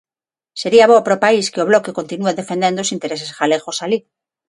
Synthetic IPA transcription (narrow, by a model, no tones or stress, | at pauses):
se̞ɾiaβopɾopaiskeoβlo̞keko̞nt̪inueðe̞fe̞nend̪osint̪e̞ɾe̞sesxale̞xo̞sali